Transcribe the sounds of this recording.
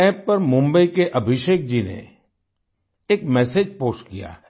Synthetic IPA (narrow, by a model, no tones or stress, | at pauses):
ɛːpːɐɾmʊ̃mbəikeʔɐbʱɪʃeːk̚d͡ʒinḛ | eːkmɛːseːd͡ʒpoːskija̰ː